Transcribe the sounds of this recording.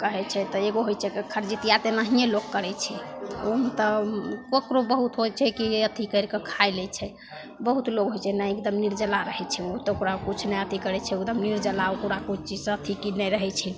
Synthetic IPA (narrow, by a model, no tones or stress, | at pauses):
kəɦɛt͡ʃʰɛt̪ɔeɡoɦojt͡ʃʰɛkikʰəɾd͡ʒit̪ijat̪enəɦijeloɡkːəɾɛt͡ʃʰɛomet̪ɔkokɾobəɦut̪ɦojt͡ʃʰɛkiət̪ʰikəjɾkekʰajlɛt͡ʃʰɛ | bəɦut̪loɡɦojt͡ʃʰɛnajekd̪əmniɾd͡ʒəlaɾəɦɛt͡ʃʰɛot̪ɔokɾakut͡ʃʰnɛət̪ikəɾɛt͡ʃʰɛekd̪əmniɾd͡ʒəlaokuɾakut͡ʃʰt͡ʃid͡ʒsət̪ʰikinɛɾəɦɛt͡ʃʰɛ